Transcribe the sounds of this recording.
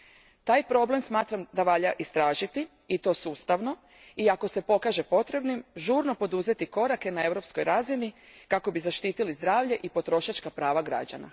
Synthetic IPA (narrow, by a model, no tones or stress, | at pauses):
t̪aːjpɾo̞ble̞msmaːt̪ɾamd̪aʋaʎaʔist̪ɾaːʒit̪i | it̪o̞ːsuːst̪aʋno̞ | iako̞se̞po̞kaːʒe̞po̞t̪ɾe̞bnimʒuːɾno̞po̞d̪uze̞t̪iko̞ɾake̞nae̞ʋɾo̞psko̞jɾazinikako̞bizaʃt̪iːt̪ilizd̪ɾaːʋʎe̞ʔipo̞t̪ɾo̞ʃat͡ʃkapɾaːʋaɡɾa̰d͡ʑa̰na̰